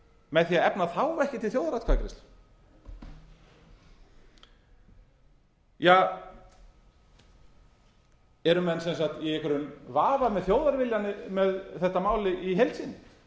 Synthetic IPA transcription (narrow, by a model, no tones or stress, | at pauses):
mɛðθiaðɛpnaθaːwvɛhcɪt̪ʰɪlθjowðaɾat̪kʰakɾɪst̪l | jaː | ɛɾʏmɛnsɛnsaxt̪jɛɣɛhkvʏɾʏnvaːvamɛðθjoːwðaɾvɪljanːɪmɛðθɛht̪amaːwlɪʔiɦejlt̪sinːɪ